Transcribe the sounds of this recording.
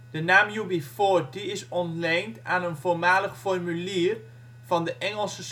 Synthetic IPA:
d̥ənaːmjubifot̚diɪsɔntlɛjntaːnənvoːɹmaːləχfɔrmyliːr | vɑndəʔɛŋəlˠsəs

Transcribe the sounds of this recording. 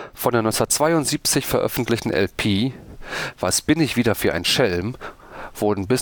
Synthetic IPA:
fɔndeːnɔnsɐtt͡sv̥aɪʊntz̥iːp̚t͡sɪçfɛɐʔœ̰fn̩tlɪçtn̩ʔɛ̰lpʰiː | v̥asb̥ɪnɪçv̥iːdɐfyːɐʔa̰ɪnʃɛlm | v̥ʊɐdn̩bɪs

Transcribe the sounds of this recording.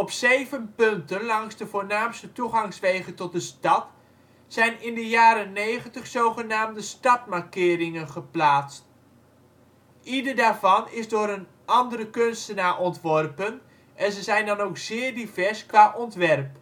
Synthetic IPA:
ɔpsejvənpɵntənlɑŋzdəvʊːɹnaːmstətuχɑŋsʋejχəntɔt̚dəstɑt | sɛjnɪndəjaːɾənːejχəntəχsowχənaːmdəstɑtmaɹkɪːɾɪŋənχəplaːtst | ʔidəɹdaːɹvɑnɪzdʊːɾən | ɑndəɾəkønstənaːɹʔɔntʋɔrpən | ʔɛnzəzɛjndɑnowksɪːɹdivɛɹskʋaːʔɔntʋɛrp

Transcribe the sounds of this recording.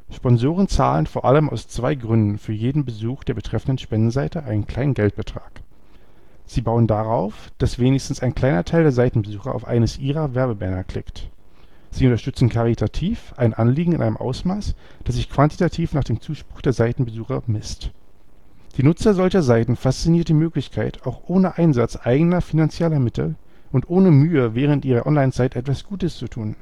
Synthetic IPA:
ʃpɔnzoːʁ̞ənt͡sa̰ːlənfoːɐʔa̰ləma̰ʊst͡sv̥aɪɡʁʏndn̩fyːɐjeːdn̩bəzuːxd̥eːɐbətʁ̥ɛfn̩dən̩ʃpɛndn̩zaɪtəʔaɪnənkʰl̥aɪnənɡɛlt̚b̥ətʁ̥a̰ːk | z̥iːbaʊəndaʁaʊfd̥asv̥eːnɪçstn̩saɪnkl̥aɪnɐtʰaɪldeːɐzaɪtn̩bəzuːxɐ̰ʔa̰ʊfʔa̰ɪnəsʔiːʁɐvɛɐbəbɛnɐkʰl̥ɪ̰kt | z̥iːʊntɐʃtʏt͡sn̩kʰaʁitʰatʰiːfʔaɪnʔanliːɡŋ̩ɪnʔaɪnəmʔa̰ʊsmaːs | d̥aszɪçkv̥anti̥tatʰiːfnaːχd̥eːmt͡suːʃpʁ̥ʊxd̥eːɐzaɪtn̩bəzuːxɐmɪst | d̥iːnʊt͡sɐzɔlçɐzaɪtn̩fast͡siniːɐtimøːklɪçkʰaɪtaʊxʔoːnəʔaɪnzat͡sʔaɪɡənɐfinant͡sjɛlɐmɪtʰl̩ | ʔʊntʔoːnəmyːəvɛːʁ̞əntʔiːʁɐʔɔnlaɪnt͡saɪtʔɛtv̥asɡ̥uːtəst͡sutʰuːn

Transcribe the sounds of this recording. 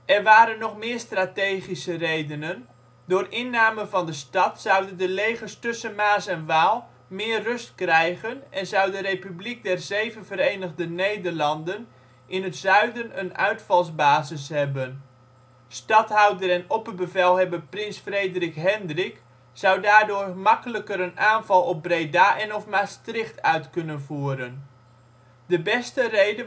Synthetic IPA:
ʔɛrʋaːɾənːɔχmɪːrstrateːχisərejdənən | dʊːrɪnːaːmənvɑndəstɑtsɑwdəndəlejχərstɵsənmaːsɛnʋaːlˠ | mɪːrːɵstkrɛjɣənɛnzʌwdəɾejpyblik̚dɛrzejvənvəɾejnəɣdənejdərlɑndən | ʔɪnətzœɥdənənœ̰ɥtfɑlˠzbaːzɪsɦɛbən | stɑtɦawdərɛnɔpərbəvɛlˠɦɛbəprɪnsfrejdrikɦɛndrɪk | zʌwdaːɹdʊːrmɑkələkəɾənaːnvɑlˠɔp̚brejdaːʔɛnɔfmastrɪχtœɥtkɵnənvuːɾən | dəbɛstərejdə

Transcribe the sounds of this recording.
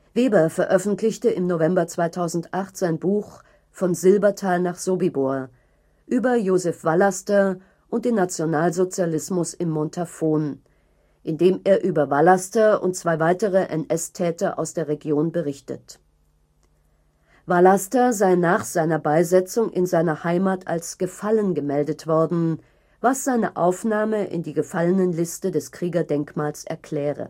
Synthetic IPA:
veːbɐfɛɐʔœfn̩tʰlɪçtəʔɪmnovɛmbɐt͡sv̥aɪtʰaʊzn̩tʔaχtz̥aɪnbuːχ | fɔnzɪlbɐtʰaɪlnaːχz̥oːbiboɐ | ʔyːbɐjoːzɛfv̥alastɐ | ʔʊnt̚d̥eːnːat͡sjonaːlzot͡sjalɪsmʊsɪmːɔntʰafoːn | ʔɪndeːmeːɐʔyːbɐvalastɐʊ̰ntt͡sv̥aɪvaɪtəʁəʔɛnʔɛstʰɛːtɐʔa̰ʊsd̥eːɐʁeɡjoːnbəʁɪçtə̰t | valastɐzaɪnaːχz̥aɪnɐbaɪzɛt͡sʊŋʔɪ̰nzaɪnɐhaɪmaːtʰa̰lsɡ̥əfalənɡəmɛldətv̥ɔɐdn̩ | vasz̥aɪnəʔaʊfnaːməʔɪ̰ndiːɡəfalənənlɪstədɛskʁ̥iːɡɐdɛŋkmaːlsɛ̰ɐkl̥ɛːʁə̰

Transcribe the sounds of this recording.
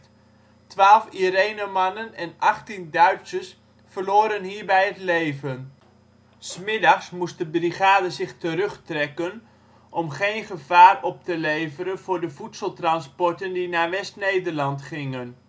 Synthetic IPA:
tʋaːlˠfiɾejnəmɑnənɛnɑχtindœɥtsəs | fərloːɾənɦiːɹbɛjətlejvən | smɪdɑχsmust̚dəbriχaːdəzɪχtəɾɵχtrɛkən | ʔɔmχejnχəvaːrɔp̚təlejvəɾənv̥ʊːɹdəvutsəlˠtrɑnspɔɹtəndinaːʋɛstnejdərlɑntχɪŋən

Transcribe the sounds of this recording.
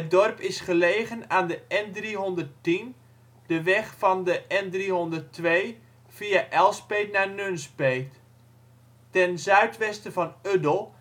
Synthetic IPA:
ɦət̚dɔrpɪsχəleːɣənaːndəʔɛndriɦɔndərtin | d̥əʋɛχfɑndəʔɛndriɦɔndərtʋej | fiaʔɛlˠspeːtnanønspejt | tɛnzœɥtʋɛstəvɑnødəlˠ

